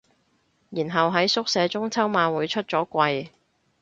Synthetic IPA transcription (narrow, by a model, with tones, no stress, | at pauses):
jiː˨˩nɦɐ˨wɦɐ˨˥jsʊ˥k̚sɛː˨˧t͡sʊ˥ŋt͡sʰɐ˥wmaː˧nwuː˨˧jt͡ʃʰɵ˥t̚t͡sɔː˨˥kʷɐ˧j